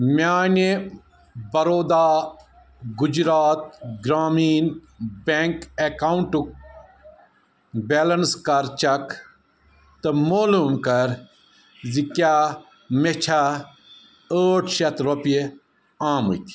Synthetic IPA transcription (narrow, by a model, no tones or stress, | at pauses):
mʲaːni | bɐɾoːd̪aː | ɡud͡ʒɾaːt̪̚ɡɾaːmiːn | beŋkekauɳʈuk̚ | beːlɐnskɐɾt͡ʃɐk | t̪ɐmoːluːmkɐɾ | zikaː | met͡ʃʰa | əːʈʰʃɐt̪ɾopie | aːmṵt̪ʰi̥